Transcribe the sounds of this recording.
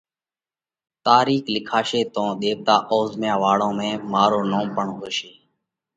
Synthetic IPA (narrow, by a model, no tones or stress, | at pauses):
t̪aːɾiːklɪkʰaːʃeːt̪õːɗ̪eːʋt̪aːʔoːzmjãːʋaːɽõːmẽːmaːɾoːnoːmpəɳɦoːʃeː